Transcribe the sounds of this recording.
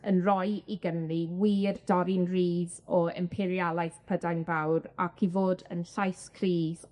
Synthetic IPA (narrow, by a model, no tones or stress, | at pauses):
ənrɔjiɡənliwiːrdɔɾɪnriːðɔɛ̰mpʰɪɾjalˠajθpʰədajnbawɾakʰivoːdənɬajskʰriːð̥